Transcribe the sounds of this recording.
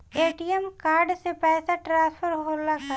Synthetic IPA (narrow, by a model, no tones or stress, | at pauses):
eːʈiɛmkaːɾɖsepɛːsaʈɾãːspʰəɾɦoːlakʰa